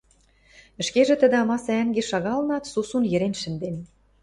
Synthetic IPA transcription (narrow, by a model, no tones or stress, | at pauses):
ə̆ʃkeʒĕt̪ə̆d̪ĕɑmɑsææŋɡeʃɑɣɑlɤnɑt̪susunjɘ̆ɾenʃɘ̆nd̪en